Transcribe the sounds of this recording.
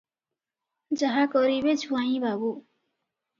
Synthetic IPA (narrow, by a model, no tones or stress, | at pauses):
d͡zʌɦakʌɾibet͡sʰuãĩbʱabu